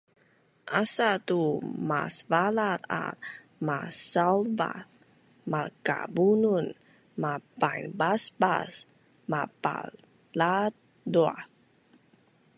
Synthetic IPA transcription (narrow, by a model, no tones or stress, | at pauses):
ʔasat̪uma̰svalat̪a̰t̚ | masawlba̰θ | maka̰bunun | mapajnbasba̰s | mapa̰ | lat̪̚ | dua